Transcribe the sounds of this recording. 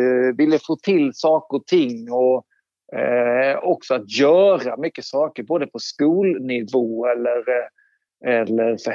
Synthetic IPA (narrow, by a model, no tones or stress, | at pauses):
vɪlːəfoːt̪ʰɪlːsɑːkəɾɔt̪ʰɪŋːɔ | ɔksɔat̪jœːɾamʏkːəsɑːkəɾboːd̪əpʰɔskuːlnɪvoːɛlːəɾ | ɛlːəɾf